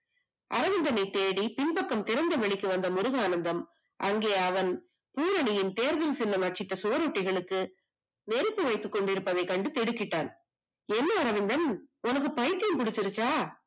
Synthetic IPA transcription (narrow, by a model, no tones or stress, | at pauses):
ʔɐɾɐʋɪnd̪ɐnɐɪt̪eːɽipɪnpɐkːɐmt̪ɪɾɐnd̪ɐʋɐɭɪkːɯʋɐnd̪ɐmʊɾɯɣaːnɐnd̪ɐm | ʔɐŋɡeːɐʋɐn | puːɾɐɳɪjɪnt̪eːɾðɪlsɪlːɐmɐt͡ʃːɪʈːɐsʊʋɐɾɔʈːɪɣɐɭɯkːɯ | nɛɾɯpːɯʋɐɪt̪ːɯkːɔɳɖɪɾɯpːɐðɐɪkɐɳɖɯt̪ɛɽɯkːɪʈːa̰ːn | ɛnːɐːɾɐʋɪnd̪ɐnʊnɐk̬ːɯpɐjt̪ːɐmkʊɽɪt͡ʃːɪɾɯt͡ʃːaː